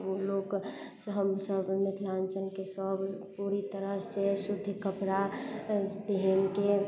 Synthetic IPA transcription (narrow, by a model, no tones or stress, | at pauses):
oloːk | sɦəmsəbmɪt̪ʰlaːnt͡ʃənkesəbpuːɾit̪əɾəɦsesʊd̪ʱːkəpɾa | beɦenke